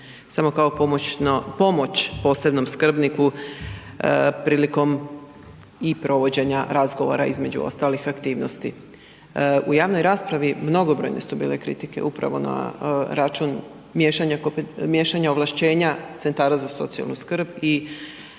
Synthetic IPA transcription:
samo̞kao̞oonpo̞mo̞t͡ɕpo̞ːse̞bno̞mskr̩bniku | pɾiːliko̞m | ipɾo̞ʋo̞d͡ʑe̞ɲaɾazɡo̞ʋo̞̰ɾaizme̞d͡ʑṵo̞̰st̪aːlixakt̪iːʋno̞st̪ḭ | ujaːʋno̞jɾaːspɾaʋimno̞ɡo̞bɾo̞jne̞̰subḭːle̞kɾḭt̪ike̞ʔupɾa̰ʋo̞̰na̰ɾat͡ʃun | mjeʃaɲakomjeʃaɲaoʋlˠaʃt͡ɕe̞ːɲat̪se̞nt̪aːɾazaso̞̰t̪sija̰lnuskr̩bi

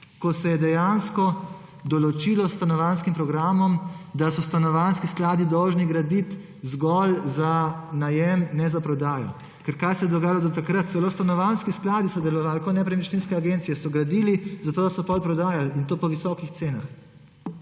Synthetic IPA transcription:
kɔsɛjɛd̪ɛjanskɔ | d̪ɔlɔt͡ʃilɔst̪anɔʋanskimpɾɔɡɾaːmɔmd̪asɔst̪anɔʋanskisklaːd̪id̪ɔwʒniɡɾad̪it̪ | zɡɔlzanajɛmnɛzapɾɔd̪aːjɔ̰ | kɛɾkaːjsɛjɛd̪ɔɡaːjalɔd̪ɔt̪akɾət̪t̪sɛloːst̪anɔʋanskisklaːd̪isɔd̪ɛlɔʋaːlkɔt̪nɛpɾɛmit͡ʃninskɛaɡent̪sijɛsɔɡɾad̪ilizat̪oːd̪asɔpɔlpɾɔd̪aːjalint̪oːpɔʋisɔkixt̪seːnax

